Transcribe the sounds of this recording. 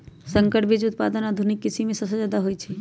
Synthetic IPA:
sə̃ŋkəʈbid͡ʒʊt̪̚pad̪ənad̪ʱunikːisimmːẽsəbsəd͡ʒad̪aɦojt͡ʃʰɛ

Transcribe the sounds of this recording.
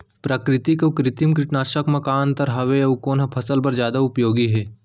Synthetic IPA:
pɾɐkɾɪt̪ikokɾɪt̪imkɾɪʈnaːɾʃəkmɐkaːnt̪ɐɾɦɐʋeɐukoːnɦɐpʰɐsəlbɐɾd͡ʒjaːd̪aʊpjoːɡiɦɛː

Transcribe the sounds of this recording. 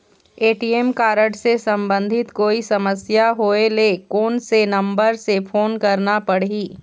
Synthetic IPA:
eːʈiːemkaːɾəɖsesɐ̃mbə̃nd̪ʱɪt̪koːisɐməsjaɦoːelekoːnsenɐ̃mbəɾsefʰoːnkɐɾnapɐɽɦiː

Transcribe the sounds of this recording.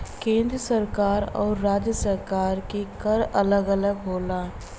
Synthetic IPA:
kẽːnd̪ɾəsəɾkaːɾɔ̰ːɾːaːd͡ʒjəsəɾkaːɾkekəɾələɡələɡɦoːlaː

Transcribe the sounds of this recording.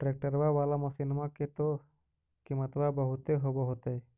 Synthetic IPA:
ʈɾek̚ʈəɾbaʋaːlamɔsinmaket̪o | kimət̪babəɦʊt̪eɦoboɦot̪ee

